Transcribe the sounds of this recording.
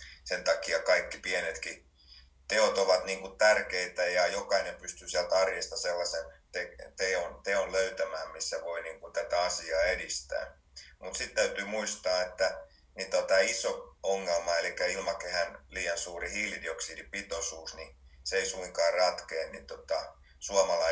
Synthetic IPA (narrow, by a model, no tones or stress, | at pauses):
sent̪ɑkiɑkɑikːipienet̪ki | t̪eot̪oʋɑt̪niːŋkutt̪ærkeit̪æjɑjokɑinempyst̪yːsiælt̪ɑrjest̪ɑselːɑsent̪et̪eːont̪eonløyt̪æmæːmmisːæʋoiniːŋkunt̪æt̪æɑsiɑːedist̪æ̰ː | mut̪sit̪t̪æyt̪yːmuist̪ɑːet̪ːæ | nit̪ot̪æːisooŋːelmɑelikːæilmɑkehænliːjɑnsuːrihiːlidioksidipit̪osuːsniseisuiŋkɑːrrɑt̪keːnnit̪ot̪ɑ | suɑmɑlɑ